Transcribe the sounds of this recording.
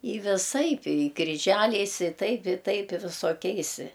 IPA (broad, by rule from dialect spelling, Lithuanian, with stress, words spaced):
ɪ ʋʲɪˈsɐɪp ɪ krʲɪˈʒʲælʲɛɪs ɪ ˈtɐɪp ɪ ˈtɐɪp ɪ ʋʲɪsoːˈkʲɛɪs